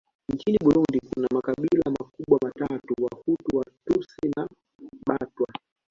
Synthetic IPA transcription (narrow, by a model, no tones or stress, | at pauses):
ɲt͡ʃiniɓuɾundikunamakaɓilamakuɓwamatatuwahutuwatusina | ɓatwa